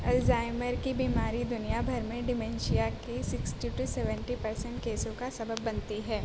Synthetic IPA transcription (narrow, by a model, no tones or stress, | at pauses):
ɛlzaːɪməɾkibiːmaːɾid̪ʊnijabʱɐɾmẽɖɪmɛ̃nʃijakesɪksʈiʈusɛʋə̃ɳʈipɐɾsɛ̃ɳʈkeːsõkasɐbəbːɐ̃nt̪iɦɛː